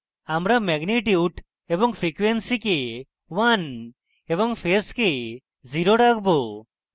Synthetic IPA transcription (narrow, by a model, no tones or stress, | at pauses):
amɾamɛɡniʈiuʈ | ebɔŋpʰɾikwensike | wan | eβɔŋpʰeske | ziɾoʈakʰbo